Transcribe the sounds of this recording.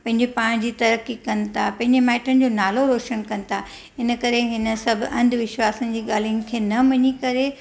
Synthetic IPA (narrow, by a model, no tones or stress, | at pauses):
pɐ̃ɦɪ̃ɲd͡ʑepaːɽ̃d͡ʑiːt̪ɐɾəkːikɐnɪ̆t̪ʰapɐ̃ɦɪ̃ɲd͡ʑemaːɪʈənɪ̆d͡ʑoːnaːloɾoːʃənkɐnɪ̆t̪ʰa | ɦɪnə̆kɐɾeɦɪnə̆sɐbʱʔɐ̃nd̪ʱʋɪʃwaːsənɪ̆d͡ʑiːɠaːl̤ijʊ̃ŋɡkʰeːnɐmɐɲikɐɾe